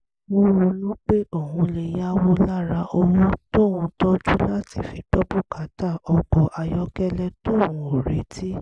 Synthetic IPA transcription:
wo˦ɾũ˧lũ˦k͡pe˦ʔo˦˨hũ˧le˧ja˦wo˦la˦ɾa˧ʔo˧wũ˦to˦˨wũ˧tɔ˦d͡ʒu˦la˦tḭ˦˨fi˨k͡pɔ˦bu˦ka˨˦ta˦˨ɔ˧ɡ͡bɔ˨ʔa˧jɔ˦kɛ˦lɛ˧to˦˨w̃ũ˧o˨ɾe˨˦tʰi˦

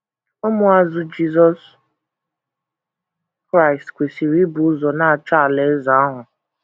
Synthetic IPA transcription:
ʊ˦mʊ˦a˦zʊ˦d͡ʒi˦zɔ˦s | kɾa˦˨jstkʷe˨si˨ɾi˦bʊ˨ʊ˦zɔ˨na˦a˨t͡ʃa˦˨le˨˦za˨a˦ɦʊ˨

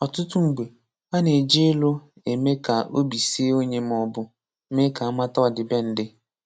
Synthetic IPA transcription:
ɔ˨tʊ˦tʊ˦ŋ̩˨ɡ͡be˨ | a˦ne˨d͡ʒe˦lo˦ | e˨me˦ka˨o˦bi˨si˦e˦o˦ɲe˦m˦ɔ˨bʊ˦ | me˦ka˨a˦ma˦tɔ˦˨dɪ˨be˦n̩˦dɪ˦

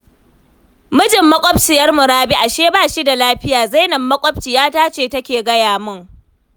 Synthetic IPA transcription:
mʊ˦d͡ʒɪ˨mːɐ˦kʷʼɔ˦b̚t͡ʃɪ˨jɐ˦rmʊ˨ɾaː˦bi˦ʔa˨ʃeː˦baː˦˨ʃi˦da˨laː˦ɸɪ˦jaː˨za˦jnɐ˨mːɐ˦kʷʼɔ˦b̚t͡ʃi˨jaː˦taː˦t͡ʃeː˨tɐ˦kʲeː˨ɡɐ˦jaː˨mʊ˦ŋ

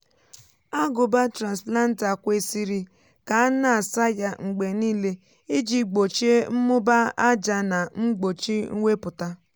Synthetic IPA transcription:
a˦ɡʊ˨ba˦tɾa˨nsla˦n̩˦ta˨kʷe˦si˦ɾi˨ | ka˨a˦na˨a˨sa˦ja˦ŋ͡m̩˨ɡ͡be˨niː˦le˦ | ɪ˦d͡ʒi˦ɡ͡bo˨t͡ʃe˦m̩˦mʊ˦ba˦a˦d͡ʒa˦na˨ŋ͡m̩˦ɡ͡bo˨t͡ʃi˦ŋ̩˦ŋʷe˦pʊ˨ta˦

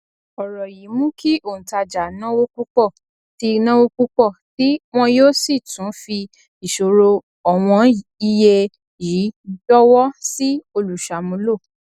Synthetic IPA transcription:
ɔ˨ɾɔ˨ji˨˦mũ˦kʰi˦ʔõ˦˨ta˧˨d͡ʒa˨nã˦wo˦ku˦k͡pɔ˦˨ | ti˧nã˦wo˦ku˦k͡pɔ˦˨ti˨˦w̃ɔ̃˧joː˦si˦˨tũ˨˦fi˧ | i˨ʃo˨ɾo˧ | ɔ˨w̃ɔ̃˧i˧je˧ | ji˨˦d͡ʒɔ˦wɔ˦si˦o˧lu˨ʃa˨mũ˧˦lo˦˨

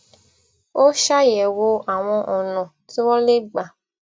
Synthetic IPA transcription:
o˦ʃa˦jɛ˨wo˦a˨w̃ɔ̃˦ʔɔ̃˨nɔ̃˨ | tɔ˦le˦ɡ͡ba˨

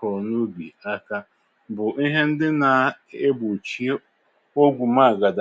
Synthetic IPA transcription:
ɔ˨nu˦bḭ˨a˦ka˦ | bʊ˨ʔi˦ɦe˦n̩˦dɪ˦na˨ | e˦bu˨t͡ʃi˦ | o˦ɡʷu˨ma˦a˨ɡa˨d

